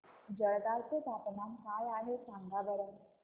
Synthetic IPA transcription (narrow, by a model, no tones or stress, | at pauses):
d͡ʑəɽɡaɾt͡set̪apnamkajaɦesaŋɡabəɾə